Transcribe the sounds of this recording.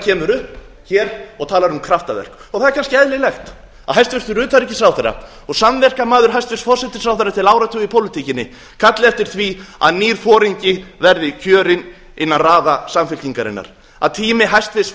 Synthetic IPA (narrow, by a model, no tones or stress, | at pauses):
cʰɛːmʏɾʏhp | çɛːɾɔɣt̪ʰaːlaɾunkʰɾaft̪avɛ̰r̥kɔɣθaðɛɾkʰanscɪɛðlɪlɛxt̪ | aðɦajst̪vɪst̪ʏɾʏːt̪aɾicɪ̥sɾawθɛrːa̰ | ɔɣsamvɛr̥kamaːðʏɾ̥ɦajst̪vɪsfɔr̥sɛt̪ɪ̥sɾawfθɛrːat̪ʰɪlaːwɾat̪ʰʏipʰowlɪt̪ʰicɪnːɪ | kʰat̪lɪɛft̪ɪɾ̥θvia̰ðniːɾ̥fɔːɾiɲcɪvɛɾðɪcʰœːɾɪn | ɪnːanraːðasamfɪlt̪iŋkaɾɪ̰nːa̰ɾ̥ | a̰ðt̪ʰiːmɪɦajst̪vɪs